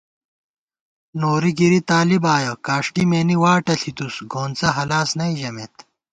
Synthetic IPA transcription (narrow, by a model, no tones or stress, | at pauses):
noːɾiɡiɾit̪aːlibaːjɐkaːʂʈimeːniwaːʈɐɬʰit̪usɡoːnt͡sɐɦɐlaːsnɐiʑɐmet̪